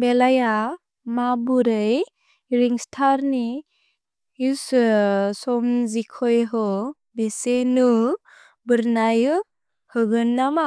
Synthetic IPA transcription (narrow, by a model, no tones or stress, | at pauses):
belaja | mabuɾɯj | ɾiŋstʰaɾni | is | sɔmzikʰɔjɦɔ | besenu | bɯɾnajɯ | hɯɡɯnːama